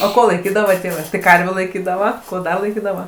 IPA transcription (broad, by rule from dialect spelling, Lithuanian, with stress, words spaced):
oː ˈkoː lˠɐɪˈkʲiːdɐʋɐ ˈtʲeːʋɜ tɐɪ ˈkɐrʲʋʲuː lˠɐɪˈkʲiːdɐʋɐ ˈkoː ˈdɐ lˠɐɪˈkʲiːdɐʋɐ